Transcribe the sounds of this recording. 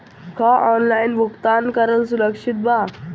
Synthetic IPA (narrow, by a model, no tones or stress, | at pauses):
kʰaʔɔnlainbʱukt̪ankəɾəlsuɾəkʂit̪̚ba